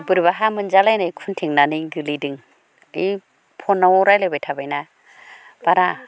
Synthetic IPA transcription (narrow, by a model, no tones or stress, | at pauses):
bɯɾβaɦamɯnd͡ʒalajnajkʰuntʰiŋnanɯɡɯlidɯŋ | i | pʰɔnːawɾajlebajtʰabajna | b̥aɾa